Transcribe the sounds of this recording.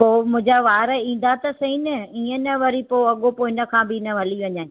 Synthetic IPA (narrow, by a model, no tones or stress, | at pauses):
poːmʊ̃d͡ʑaʋaːɾəĩːn̆d̪at̪ɐsɐɦĩnəiːə̃nɐʋɐɾipoːɐɠopoːɪnəkʰãːbɪɪnɐʋ̤ʱɐliʋɐɲãː